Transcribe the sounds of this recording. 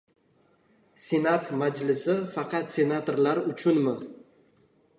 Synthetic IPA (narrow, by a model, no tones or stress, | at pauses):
sʲe̞nat̪mad͡ʒlɪsɪfɑqʰɑt̪sʲe̞nat̪oɾlaɾʊt͡ʃʰʊnmɪ